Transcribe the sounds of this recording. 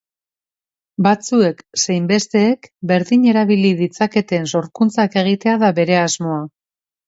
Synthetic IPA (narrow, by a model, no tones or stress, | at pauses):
bat͡sue̞ksejmbe̞st̪e̞ːkbe̞ɾðiɲe̞ɾaβ̞iliðit͡sake̞t̪e̞nso̞ɾkunt͡sake̞ɣ̞it̪e̞aðaβe̞ɾe̞azmo̞a